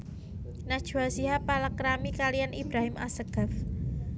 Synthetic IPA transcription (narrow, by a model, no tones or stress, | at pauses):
nad̥ʒ̥uasiɦapalakɾamikalijanibɾaɦɪmʔa̰səɡ̥af